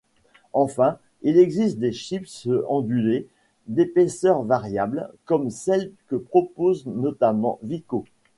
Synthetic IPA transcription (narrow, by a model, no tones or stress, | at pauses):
ɑ̃fɛ̃ | ilɛɡzist̪̚d̪eʃipsɑ̃d̪yle | d̪epesœʁvaʁjablkɔmsɛlkəpχɔpoznɔt̪amɑ̰̃viko